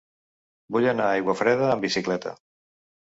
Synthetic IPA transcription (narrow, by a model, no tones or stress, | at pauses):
buʎanaajɣwafɾɛðəːmbisiklɛt̪ə̰